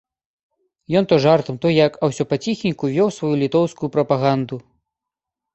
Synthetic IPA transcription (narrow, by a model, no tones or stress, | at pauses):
jɔnt̪ɔʐart̪ɨmt̪ɔjjakɐwsʲɔpat͡sʲixnʲikuvʲɔwsvajulʲit̪ɔwskujupɾɐpaɣand̪u